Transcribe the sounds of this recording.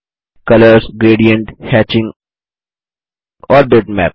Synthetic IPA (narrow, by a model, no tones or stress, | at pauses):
kʌləɾsɡɾeːɖijə̃ɳʈhæːt͡ʃɪ̃ŋɡ | ɔːɾb̪eʈmɛ̰ːp̚